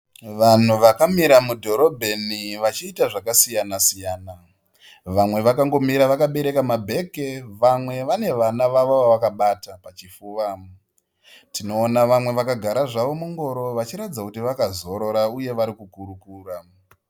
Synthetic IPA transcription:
ʋan̤uʋakamiɾamudʱo̞ɾo̞bʱe̞niʋat͡ʃiːtaʐakasijanasijaːna | ʋamwe̞ʋakaŋɡo̞miɾaʋakaɓe̞ɾe̞kamabʱe̞keʋamwe̞ʋane̞ʋanaʋaʋaʋoʋakaɓatapat͡ʃifuːʋa | tʰino̞ːnaʋamwe̞ʋakaɡʱaɾaʐaʋo̞muŋɡo̞ɾo̞ʋat͡ʃiɾad͡zakutiʋakazo̞ɾo̞ɾauje̞ʋaɾikukuɾukuːra

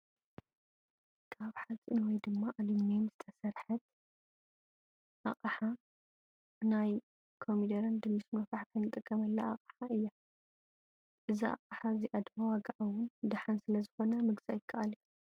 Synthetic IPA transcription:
kʰaβħat͡sʼinwɔjd̪ɨmːaʔalimnemz̥ɨt̪ʰɐsɐɾħɐt̪̚ | ʔaχʼɐħa | naj | kʰomid̪ɐɾɐnd̪ɨmːɨsmɐfaħkʰɐjnɨt̪ʼɨkʼːɐmɐlːaa̰qʼɐħaɨjːa | ʔɨziʔa̰qʼaħaziʔɐd̪mawaɡaʔawʊnd̪aħansɨlɐzɨxo̞nɐmɨɡzajɪkʰːɐʔalu

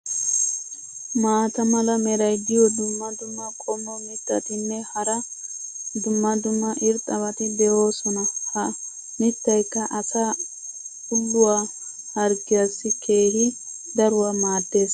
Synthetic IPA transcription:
maːt̪ɐmɐlɐmɛɾɐjd̪ɪjɔd̪ʊmːɐd̪ʊmːɐkʼɔmːɔmɪt̪ːɐt̪ɪnːɛhɐɾɐ | d̪ʊmːɐd̪ʊmːɐʔɪɾt̪ʼːɐβɐt̪ɪd̪ɛo̞ːsɔnɐhɐ | mɪt̪ːɐjkːɐʔɐsɐ | hʊlːʊwaː | hɐɾɡɪjɐsːɪkʰe̞ːhɪ | d̪ɐɾʊwamaːd̪ːe̞ːs

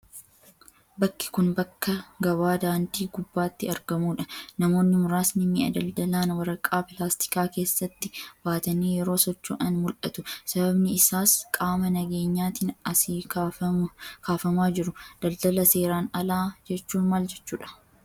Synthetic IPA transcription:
bɐkːɪ̥kʊnbɐkːɐɡɐβaːd̪aːnt̪iːɡʊbːaːt̪ːɪɐɾɡɐmuːᶑɐnɐmo̞ːnːɪmʊɾaːsnɪnːɪɐ̰d̪ɐld̪ɐlaːnwɐɾɐkʼːaːpɪlaːst̪ɪ̥kaːke̞ːsːɐt̪ːɪbaːt̪ɐneːjɛɾo̞ːsɔt͡ʃːo̰ːᶑɐnmʊlʔɐ̰t̪ʊsɐbɐbnɪɪsaːskʼaːmɐnɐɡe̞ːɲːaːt̪iːnɐsiː | kʰaːfɐmaːd͡ʒɪɾʊd̪̥ɐld̪ɐlɐse̞ːɾaːnɐlaːd͡ʒɛt͡ʃːuːnmaːld͡ʒɛt͡ʃːuːᶑɐ̥

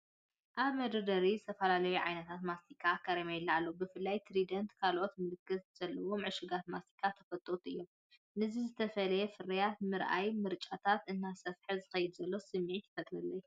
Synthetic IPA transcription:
ʔaβmɐd̪ɐd̪ɐɾizɨt̪ʰɐfɐlalɐwiʕa̰jnɐt̪ʰat̪mast̪ikʰːakʰɐɾɐmajɪlːaʕalːobɨfɨlːajt̪ʰɾid̪ɐnt̪kʰalʔo̞t̪mɨlɨkːɨt̪z̥ɐlːɐwomʕɨʃɨɡat̪mast̪ʰi̥kʰːat̪ʰɐfɐt̪ʼːot̪ʔɨjːo̞m | nɨzizɨt̪ʰɐfɐlɐjɛfɨɾɐjat̪mɨɾʔa̰jmɨɾt͡ʃʼat̪ʰat̪ʔɨnːasɐfħizɨxɐjɪd̪zɐlːo̞sɨmːiʕit̪ʰɨ̥fɐt̪ʼlɐlːɐj

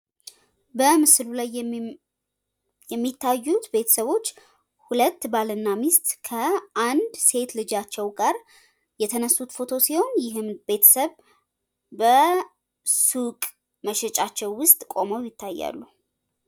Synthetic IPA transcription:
bəmɨslulaj | jɛmːit̪ʰːajːut̪be̞t̪ʰə̥səβo̞t͡ʃː | hulət̪ːbalɨnːamist̪ʼkʰəand̪se̞t̪lɨd͡ʒat͡ʃːɛwɡaɾ | jɛt̪ʰənəsːut̪fo̞t̪ʰo̞siho̞njɪɦɨmbe̞t̪ʰə̥səβ | bə | sukʼ | məʃɛt͡ʃʼat͡ʃːɛwwʊst̪ʼkʼo̞məwjɪt̪ʰːajːa̰lːu

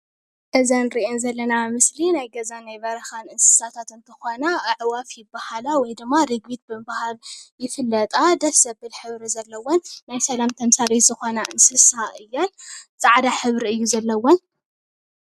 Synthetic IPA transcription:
ʔɐzanɾiʔenzɐlːɐnamɨslinajɡɐzanajbɐɾɐxanɨnsɨ̥sat̪ʰat̪ɨnt̪ʰɨxonaːʕwafjɪbːahalawɔjd̪ɨmːaɾɨɡbit̪̚bɨmbahaljɪfɨlːɐt̪ʼad̪ɐfsɐbɨlħɨβɾizɐlːɐwːɔnːajsɐlamt̪ʰɐmsaɾizɨxo̞naʔɨnsɨsaɨjːant͡sʼaʕd̪aħɨβɾiɨjːuzɐlːɐwːɔn

